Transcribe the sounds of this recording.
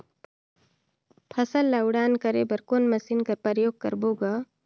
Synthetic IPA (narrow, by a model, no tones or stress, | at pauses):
pʰəsəlːaʊɽaːnkəɾebəɾkoːnməsinkəɾpəɾjoːɡ̚kə̰ɾboːɡa